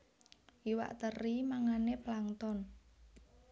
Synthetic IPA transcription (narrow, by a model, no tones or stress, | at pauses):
iwa̰ʔt̪ərimaŋaneplaŋt̪ɔn